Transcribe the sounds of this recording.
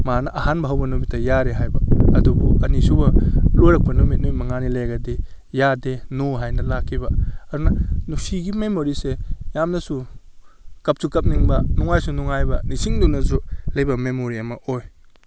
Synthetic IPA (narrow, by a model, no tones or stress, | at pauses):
manɐʔaɦanbɐɦɐwbɐnomitːɐjaɾeɦajbɐɐdubuɐnisubɐlojɾɐk̚pɐnomit̚nujmɐŋanilejɡɐde | jadenoɦajnɐlakʰːibɐɐdunɐnusiɡimemoɾisejamnɐsu | kɐp̚sukɐp̚niŋbɐnɔŋajsunuŋajbɐnisiŋdunɐzulɐjbɐmemoɾiɐmɐʔoj